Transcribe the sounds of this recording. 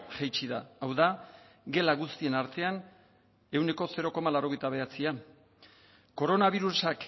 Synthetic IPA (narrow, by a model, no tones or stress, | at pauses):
ʝejt͡ʃiðaawða | ɡe̞laɣust̪ie̞naɾt̪e̞an | e̞wne̞ko̞se̞ɾo̞ko̞malawɾo̞ɣ̞e̞jt̪aβ̞e̞at͡sia | ko̞ɾo̞naβ̞iɾusak